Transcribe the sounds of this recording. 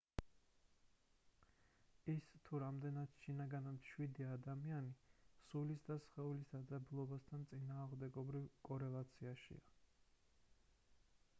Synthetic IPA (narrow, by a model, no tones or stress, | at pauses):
ist̪ʰuɾamd̪ɛnat̪ʃinaɡanat̪ʃwid̪iad̪amianisulisd̪asχɛulisd̪ad̪zabulˠɔbast̪ʰant̪sʼinaːʁmd̪ɛɡɔbɾivkʼɔɾɛlˠat̪sʰiaʃḭa